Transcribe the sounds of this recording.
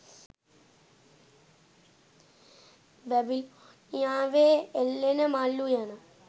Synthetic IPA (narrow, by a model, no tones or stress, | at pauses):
bebil | jãːʋeelːenɐmaːlːujaːnɨ